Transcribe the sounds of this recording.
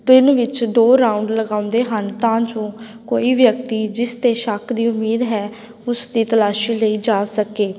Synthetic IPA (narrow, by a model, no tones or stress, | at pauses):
t̪ɪnʋɪt͡ʃd̪oːɾãːʊɳɖləɡaːʊ̃nd̪eːɦənt̪ãːd͡ʒõː | koːiːʋjək̚t̪iːd͡ʒɪst̪eːʃəkʰd̪iːʊmiːd̪ɦɛː | ʊsd̪iːt̪əlaːʃiːləiːd͡ʒaːsəkeː